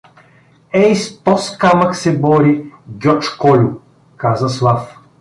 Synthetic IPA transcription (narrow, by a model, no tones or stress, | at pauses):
ɛjst̪ɔskaməksɛbɔɾiɡʲɔt͡ʃkɔlʲʊ | kazəslˠaf